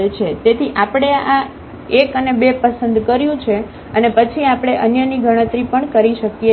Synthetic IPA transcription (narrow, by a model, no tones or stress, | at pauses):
et͡ʃʰet̪et̪ʰiʔapɽ̃ea | ekənebepəsənd̪kəɾjũt͡ʃʰe | ənepət͡ʃʰiapɽ̃eʔənjəniɡʱəɽ̃ə̃t̪ɾipəɳkəɾiʃəkje